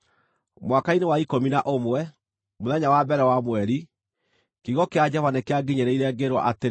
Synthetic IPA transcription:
mwakainewaikominaʔomwɛ | moðɛɲawabɛɾɛwamwɛɾi | kiɣɔkead͡ʑɛvanekeaɡiɲeɾeiɾɛɡeɾwɔ̰ʔate

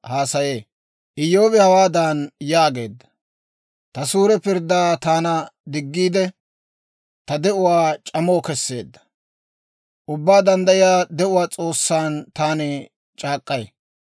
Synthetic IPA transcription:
haːsɐje̞ː | ʔɪjo̞ːbɛhɐwaːd̪aːnjaːɡe̞ːd̪ːɐ̥ | t̪ɐsuːɾɛpɪɾd̪ːaːt̪aːnɐd̪ɪɡːiːd̪ɛ | t̪ɐd̪ɛʔʊwaːt͡ʃʼɐmoːkɛsːe̞ːd̪ːɐ̥ | ʔʊbːaːd̪ɐnd̪ɐjɪjaːd̪ɛʔʊwaːt͡sʼo̞ːsːaːnt̪aːnɛ | t͡ʃʼaːkʼːɐj

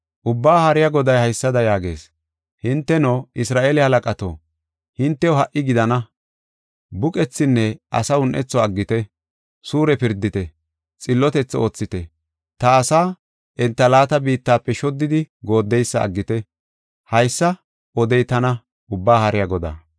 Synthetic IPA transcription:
ʔʊbːaːhɐɾɪjaɡɔd̪ɐjhɐjsːɐd̪ɐjaːɡe̞̰ːs | hɪnt̪ːɛnoːʔɪsɾaːʔeːlɪhɐlɐkʼɐt̪o̰ː | hɪnt̪ːɛɔɦɐʔɪɡɪd̪ɐnɐ | bʊkʼɛt͡sːɪnːɛʔɐ̰sɐʊnʔɛ̰t͡sːɔɐɡːɪt̪ɛ | suːɾɛpɪɾd̪ːɪt̪ɛ | t͡sʼɪlːɔt̪ɛt͡sːo̞ːt͡sːɪt̪ɛ | t̪ɐːsaː | ʔɛnt̪ːɐlaːt̪ɐbiːt̪ːaːpːɛʃɔd̪ːɪd̪ɪɡo̞ːd̪ːɛjsːɐ̰ːɡːɪt̪ɛ | hɐjsːɐ | ɔd̪ɛjt̪ɐnɐ | ʊbːaːhɐɾɪjaɡɔd̪a̰

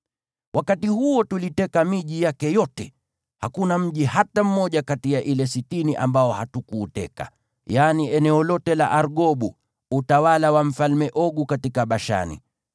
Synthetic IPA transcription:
wʔakatihuɔtulitɛkamiʄijakɛjɔtɛ | hakunam̩ʄihatam̩mɔʄakatijaʔilɛsitiniʔa̰mbaɔhatukuːtɛ̰ka̰ | janiɛnɛɔlɔtɛla̰ʔaɾɠɔɓu | utawalawam̩falmɛʔɔɠukatikaɓaʃa̰nḭ

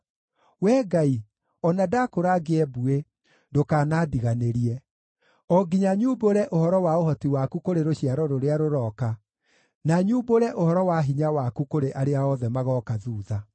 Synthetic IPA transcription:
wɛːɡai | ɔnadakoɾaɡeɛbue | dokaːnaːdiɣaneɾiɛ | ɔɡiɲaɲuboɾɛʔohɔɾɔwaohɔtiwakukoɾeɾoɕiaɾɔɾoɾeaɾoɾɔːka | naɲuːboɾɛʔohɔɾɔwaɦiɲawakukoɾeʔaɾeaɔðɛmaɣɔkaðuːða

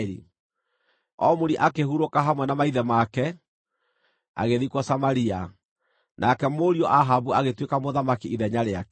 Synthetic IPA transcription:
ɾḭ | ɔmoɾiʔakehuɾokaɦamwɛnamaiðɛmakɛ | a̰ɣeðikwɔsamaɾia | nʔakɛmoɾiɔʔaɦabuaɣetwekamoðamakiiðɛɲaɾeakɛ

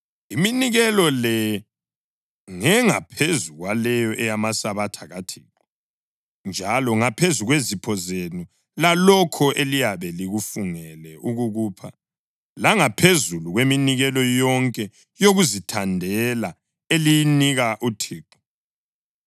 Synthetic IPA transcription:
iminiɣɛlɔlɛ | ŋɛŋapʰezuɣwalɛjɔʔɛjamasaβatʰaɣatʰi̥ːǃɔ | nd͡ʒʱalɔŋapʰezuɣwezipʰɔzenu | lalɔkʰɔʔelijaβɛliɣufuŋɛlɛʔuɣuɣuːpʰa | laŋapʰezuluɣweminiɣɛlɔjɔŋkʼɛ | joɣuzitʰandʱɛla | elijniɣaʔutʰiːǃɔ̥

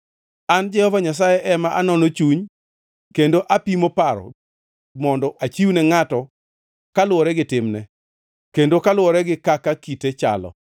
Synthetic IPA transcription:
and͡ʒɛhɔvaɲas̬ajɛʔɛmaʔanɔnot͡ʃuɲ | kendoʔapimopaɾɔ̰ | mɔndɔʔat͡ʃiunɛŋatɔ | kalʊɔɾɛɡɪtɪmnɛ | kendokalwɔɾɛɡɪkakakitet͡ʃa̰lɔ̰

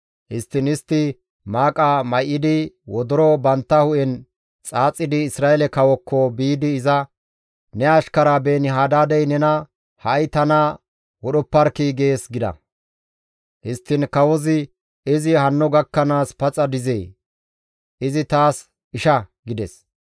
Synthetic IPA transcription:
hɪst̪ːɪnɪst̪ːɪ | maːkʼamɐjʔɪd̪ɪwɔd̪ɔɾɔbɐnt̪ːɐhʊʔɛn | t͡sʼaːt͡sʼːɪd̪ɪːsɾaːɛlɛkɐwɔkːɔbiːd̪ɪːzɐ | nɛɐʃkɐɾaːbeːnɪɦaːd̪aːd̪ɛjnɛnɐ | hɐjt̪ɐna | wɔɗɔpːɐɾkiːɡe̞ːsɡɪd̪ɐ̰ | hɪst̪ːɪnkɐwɔzɪ | ɪzɪhɐnːɔɡɐkːɐnaːspɐt͡sʼɐd̪ɪzeː | ɪzɪt̪aːs | ɪʃɐɡɪd̪ɛs

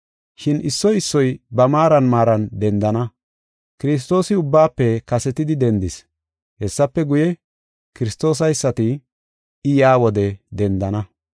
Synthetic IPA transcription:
ʃɪnɪsːɔjɪsːɔjbɐmaːɾɐnmaːɾɐnd̪ɛnd̪ɐnɐ | kɪɾɪs̬t̪o̞ːsɪʊbːaːpːɛkɐsɛt̪ɪd̪ɪd̪ɛnd̪ɪs | hɛsːɐpːɛɡʊjɛ | kɪɾɪst̪o̞ːs̬ɐjsːɐt̪ɪ | ɪjaːwɔd̪ɛd̪ɛnd̪ɐnɐ

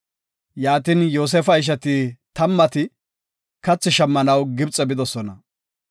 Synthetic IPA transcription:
jaːt̪injoːs̬ɛːfɐɪʃ̬ɐt̪it̪ɐmːɐt̪ɪ | kɐt͡sːɪʃɐmːɐnɐwɡɪbt͡sʼːɛbɪd̪ɔsɔnɐ

